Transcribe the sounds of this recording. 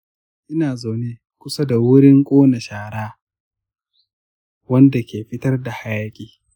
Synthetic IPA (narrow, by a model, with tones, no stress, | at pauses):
ʔɪ˦naː˨za˨wneː˦ | kʷʊ˦sa˦da˨wʊ˦ɾɪ˦ŋkʷʼoː˦na˨ʃaː˨ɽaː˦ | wɐ˦nda˨kʲʰeː˨ɸɪ˦tɐ˦rda˨ha˦jaː˦kʲʼiː˨